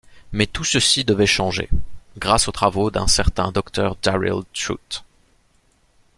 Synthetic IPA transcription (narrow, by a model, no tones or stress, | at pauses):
mɛt̪usəsid̪əvɛʃɑ̃ʒḛɡʁasot̪χavod̪ɛ̰̃sɛʁt̪ɛ̃d̪ɔkt̪œʁd̪aʁḭlt̪χṵt̪